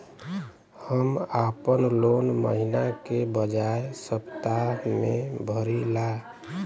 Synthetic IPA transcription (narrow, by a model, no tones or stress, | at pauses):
həmapənlonməɦinakebəd͡ʒaesəpt̪amẽbʱəɾila